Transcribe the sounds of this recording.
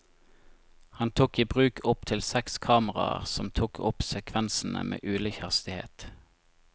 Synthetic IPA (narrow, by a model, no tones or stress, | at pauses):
hɑnt̪ʰuːkiːbʁʉːkʰʊp̚t̪ʰɪlsɛkskʰɑːməʁɑ̰ə̰ʁsɔmt̪ʰuːkʰʊpsɛkʰʋɛnsn̩ə̰mʔḛːʔʉːliçhɑst̪ɪhḛːt̪